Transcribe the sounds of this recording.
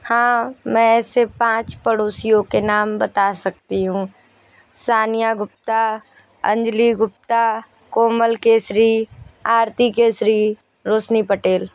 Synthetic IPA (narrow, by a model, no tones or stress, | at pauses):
hãːmɛ̃ɛːsepãːt͡ʃpɐɽoːsijõkenaːmbɐt̪asɐk̚t̪iɦũː | saːnijaɡʊp̚t̪a | ɐ̰̃ɲd͡ʒliɡʊp̚t̪a | koːməlkeːsɾiːaːɾt̪ikeːsɾiː | ɾoːsnipɐʈeːl